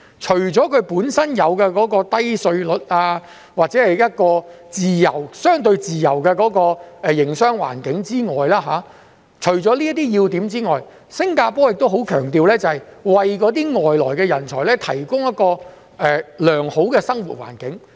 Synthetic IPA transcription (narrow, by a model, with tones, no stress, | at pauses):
t͡ʃʰɵ˨˩ɥt͡sɔː˨˥kʰɵ˨˧ɥpuː˨˥nsɐ˥njɐ˨˧wkɛː˧kɔː˨˥kɔː˧t̪ɐ˥jsɵ˧ɥlɵ˨t̚aː˧ | waː˨t̚t͡sɛ˨˥ɐ˨jjɐ˥t̚kɔː˧t͡siː˨jɐ˨˩wsœː˥ŋt̪ɵ˧ɥt͡siː˨jɐ˨˩wkɛː˧kɔː˨˥kɔː˧ɛ˨˧jɪ˨˩ŋsœː˥ŋwa̰ː˨˩nkɪ˨˥ŋt͡siː˥ŋɔː˨jlaː˥ɦaː˨˥ | t͡ʃʰɵ˨˩ɥt͡sɔː˨˥liː˥t̪̬iː˥jiː˧wt̪iː˨˥mt͡siː˥ŋɔː˨j | sɪ˥ŋkaː˧pɔː˥jɪ˨k̚t̪o˥wɦo˨˥wkʰœː˨˩ŋt̪iː˨wlɛː˥t͡sɐ˨hɐ˨jwɐ˨jkɔː˨˧˥t̪̬iː˥ŋɔː˨jlɔː˨˩jkɛː˧jɐ˨˩nt͡sʰɔː˨˩lɛ˥t̪ʰɐ˨˩jkʊ˥ŋjɐ˥t̚kɔː˧ | ɛː˨˩lœː˨˩ŋho˨˥wkɛː˧sɐ˥ŋwṵ˨˩t̚wa̰ː˨˩nkɪ˨˥ŋ